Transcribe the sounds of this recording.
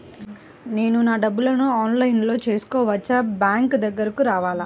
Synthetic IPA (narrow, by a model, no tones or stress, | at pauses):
ne̞ːnunaːɖɐbːulɐnuaːnlɐjnlo̞ːt͡ʃe̞ːsu̥kɔːʋɐt͡ʃːɐbjaːŋkd̪ɐɡːɐɾɐkuɾaːʋaːlɐ